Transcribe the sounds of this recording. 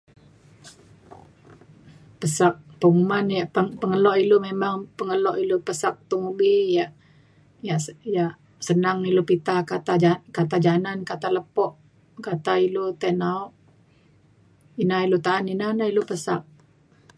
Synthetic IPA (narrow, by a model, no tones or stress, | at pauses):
pəsak̚pəŋumanjaʔəpəŋəlɔʔilumemaŋpəŋəlɔʔilupəsak̚t̪uŋubijaʔ | jaʔjaʔ | sənaŋilopit̪akat̪ad͡ʒakat̪ad͡ʒanankat̪aləpɔʔ | kat̪ailot̪ɛnaɔʔ | inailut̪aːninanailupəsa̰k̚